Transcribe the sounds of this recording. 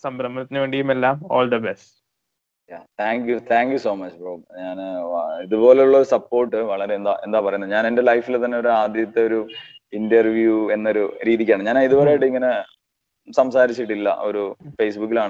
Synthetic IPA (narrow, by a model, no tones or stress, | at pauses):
sɐmbɾɐmːɐnɐt̪ːinːɨʋe̞ːɳɖijumelːaːmo̰ːld̪ɐbesʈ | jjaːt̪ʰaːŋkjut̪ʰaːŋkjuso̞ːmɐt͡ɕːboːɲaːniðubo̞ːle̞uɭːɐoɾusɐpːo̞ːrʈːɨʋɐɭɐɾe̞nd̪aːʔe̞̰nd̪aːpɐrɐjunːɐɲaːne̞nde̞lɐjfilt̪ɐnːe̞o̞ɾuaːd̪jɐt̪ːe̞o̞ɾuindɐrʋjue̞nːɐo̞ɾuɾiːðikʲːaːɳɨɲaːnaiðubɐɾeːjiʈːɨiŋːɐne̞ | sɐmsaːɾit͡ɕːiʈːilːɐ̰ʔo̞̰ɾufe̞ːsbukːilaːɳɨ